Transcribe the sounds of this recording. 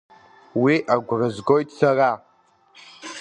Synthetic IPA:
wiʔaɡʷrɨzɡojtʰʼsara

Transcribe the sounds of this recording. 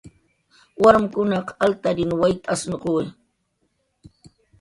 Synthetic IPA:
waɾmʊkʊnɑqalt̪aɾɪnwajt̪aasnqu

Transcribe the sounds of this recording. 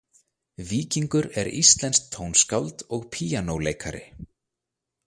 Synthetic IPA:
viːciŋkʏɾɛɾḭst̪lɛnskt̪ʰːownskawlt̪ɔɣpʰiːjanowleːjkʰaɾɪ̰

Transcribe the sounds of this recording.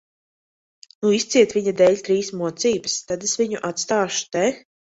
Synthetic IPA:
nuist̪siɛt̪vʲiɲad̪ɛːʎʲt̪ɾiːsmuɔt̪siːbɨst̪ad̪esviɲuʔat̪st̪aːʃu̥t̪ɛ

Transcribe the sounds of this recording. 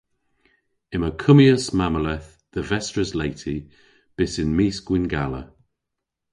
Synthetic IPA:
ɪməkʰʊmiəsmaməlɛθ | ðəvɛstɹ̥əzleɪtʰi | b̥ɪsɪ̃nmiːˑsɡ̥wɪ̃nɡalə̰

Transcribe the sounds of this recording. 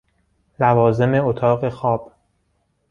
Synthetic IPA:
lævɒːze̞me̞ot̪ʰɒːɣe̞xɒːb̥

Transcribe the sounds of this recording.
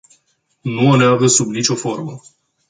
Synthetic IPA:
nuoneaɡəsubnit͡ʃo̞fo̞rmə

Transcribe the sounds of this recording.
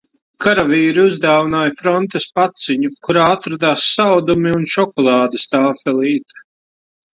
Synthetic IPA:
kaɾaviːɾiuzd̪aːvinaːjfɾɔnt̪espat̪siɲukuɾaːat̪ɾad̪aːsːawd̪umiunʃɔkɔlˠɑːd̪ɨst̪aːfɛlˠiːt̪ḁ

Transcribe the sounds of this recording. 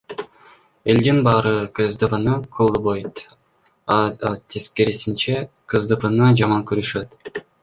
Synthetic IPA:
e̞ld̪inbɑːɾɯkʰɯzd̪ɯpɯnɯkʰulˠbojt̪ | t̪ʰeskeɾisint͡ʃe | kʰɯzd̪ɯpɯnɯd͡ʒɑmɑŋkyɾyʃøt̪

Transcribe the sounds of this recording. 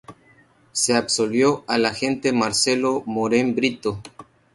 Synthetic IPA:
seabsolβjoalaxe̞nt̪e̞maɾselomoɾembɾit̪o

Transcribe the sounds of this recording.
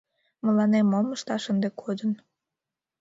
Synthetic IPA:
məlɑnemoməʃt̪ɑʃənd̪ekʰod̪ən

